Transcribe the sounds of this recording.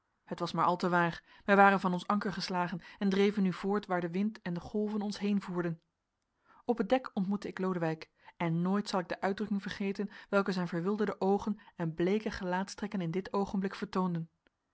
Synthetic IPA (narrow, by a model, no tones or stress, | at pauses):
hətʋɑsmaːɹʔɑlˠtəʋaːɹ | ʋɛjʋaːrənvɑnɔnsɑŋkəɹχəslaːχənɛndrejvənːyv̥ʊːɹtʋaːɹdəʋɪntɛndəχɔlˠvənɔnsɦejnvuːɹdən | ɔpət̚dɛkɔntmutəɪklowdəʋɛjk | ɛnːoːjtsɑlˠɪɡ̚dəʔœɥdrɵkɪŋvəɹχejtənʋɛlˠkəzɛjnvəɹʋɪlˠdəɹdəʔowχənɛnblejkəχəlaːtstrɛkənɪndɪtowχənblɪkfəɹtowndən